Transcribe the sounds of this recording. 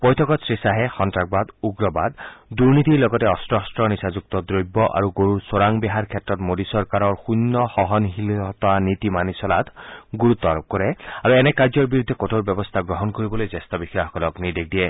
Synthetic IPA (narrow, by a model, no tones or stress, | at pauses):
pɔjt̪ʰɔkɔt̪sɹisaɦɛxɔntɹak̚bad̪uɡɹɔbad̪duɹnit̪iɹlɔɡɔtɛɔstɹɔstɹɔnisazuk̚t̪ɔd̪ɹojbːɔʔa̰ɹuɡoɹuɹsoɹaŋbiɦaɹkʰɛtːɹɔtmodisɔɹkaɾɔɹxunːɔxɔɦɔnɦilɔt̪anit̪imanisɔlat̪ʰɡuɹut̪ːɔɾɔp̚kɔɹɛaɹuɛnɛkaɹd͡ʒɔɹbiɾud̪ʱːɛkotʰoɹbjɔbɔst̪ʰaɡɹɔɦɔnkoɹibɔlojzest̪ɔbixjaxɔkɔlɔkniɹd̪ek̚diɛ